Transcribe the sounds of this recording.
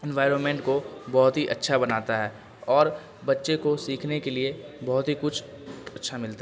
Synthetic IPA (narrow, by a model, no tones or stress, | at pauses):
ɛ̃nʋaːɪɾonmẽɳʈkobɔɦʊt̪ɦiʔɐtːʃʰabɐnaːt̪aɦɛː | ɔːɾ | bɐtːʃekosiːkʰnekeliebɔɦʊt̪ɦikʊt͡ʃʰ | ɐtːʃʰamɪlt̪a